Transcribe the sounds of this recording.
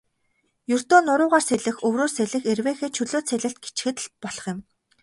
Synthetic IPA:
jɵr̥t̪oːnʊɾʊːʁaːrseɮɘ̆xɵwroːrseɮɘ̆xerweːxeːt͡ɕʰɵɮoːsʰeɮɘ̆ɬt̪̚ɡet͡ɕxɘ̆t̪̆ɬt̪̚pɔɮɞ̆χjɪ̆m

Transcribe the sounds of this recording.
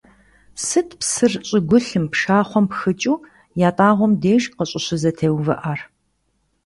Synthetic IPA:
sɨtʰpsɨrɕʼɪɡʷʊɬɨmpʂaːχʷɔmpxɨt͡ʃʼuː | jaːtʼaːʁʷɔmdeːʒqəɕʼɪɕɪzɐtʰeːwvɐ̰ʔaːr

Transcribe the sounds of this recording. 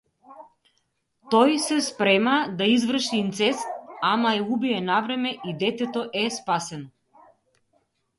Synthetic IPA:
t̪ɔjsɛspɾɛmad̪aizvr̩ʃiːnt̪sɛsamaɛubiɛnavɾɛmɛʔid̪ɛt̪ɛt̪ɔʔɛspasɛn

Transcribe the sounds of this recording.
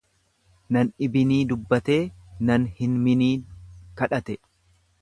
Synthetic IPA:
nɐnɪbɪniːd̪ʊbːɐt̪e̞ːnɐnhɪnmɪniːkɐᶑɐt̪ɛ

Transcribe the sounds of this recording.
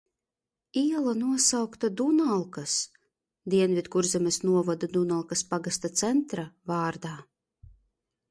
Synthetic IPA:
iɛlˠanuɔsawkt̪ad̪unalˠkas | d̪iɛnvʲid̪kuɾzʲɛmʲesnuɔvad̪ad̪unalˠkaspaɡast̪at̪sɛnt̪ɾavaːɾd̪aː

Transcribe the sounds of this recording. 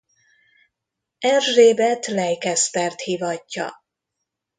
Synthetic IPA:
ɛrʒeːbɛt̪lɛjkɛspɛrt̪hiːvɒcːɒ̰

